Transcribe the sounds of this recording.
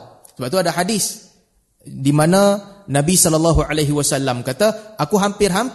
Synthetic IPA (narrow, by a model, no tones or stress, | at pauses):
səbap̚t̪uadaɦadɪs | dimananabisɔlɔlːaɦualaɦiwasalːamkat̪aʔakuɦampɪrɦam